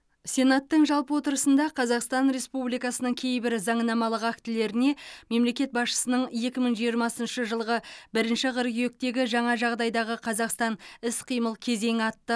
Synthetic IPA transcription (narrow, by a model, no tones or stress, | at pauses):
sʲe̞nɑt̪ːəɴʒɑlˠpəwo̞t̪əɾəsənd̪ɑqʰɑzɑqst̪ɑnɾe̞spublijkɑsənəɴkʲʰe̞jbɪɾzɑɴnɑmɑlˠəqakt̪ɪle̞ɾɪne̞me̞mle̞kʲe̞t̪̚bɑsʃə̥sənəɴje̞kʲɪməɴʒijəɾmɑsənʃəʒəlˠʁəbɪɾɪnʃɪʁəɾɡʲʏje̞k̚t̪e̞ɡʲɪʒɑɴɑʒɑʁd̪ɑjd̪ɑʁəqʰɑzɑqst̪ɑnɪsqʰijməlˠkʲʰe̞ze̞ŋɑt̪ːə